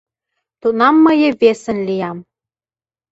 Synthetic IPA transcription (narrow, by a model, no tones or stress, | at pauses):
t̪unɑmːəjə̆βesə̆nlijɑm